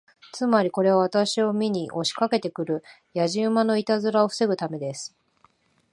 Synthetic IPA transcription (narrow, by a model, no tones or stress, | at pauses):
t͡sɨmaɾʲiko̞ɾe̞βaβ̞at̪aɕio̞mʲiɲ̟iʔo̞ɕi̥kake̞t̪e̞kɯ̟ɾɯ̟ | jaʑiɯmano̞it̪azɨɾao̞ɸɯ̥se̞ɡɯ̟t̪ame̞d̪e̞sɨ̥